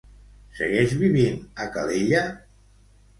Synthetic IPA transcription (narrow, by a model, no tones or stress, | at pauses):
sə̰ɣɛʒβiβinəkaleʎa